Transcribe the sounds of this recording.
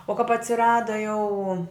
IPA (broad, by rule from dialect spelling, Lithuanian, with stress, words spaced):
oː kɐp ɐtʲsʲɪˈrɑːdɐ jɛʊ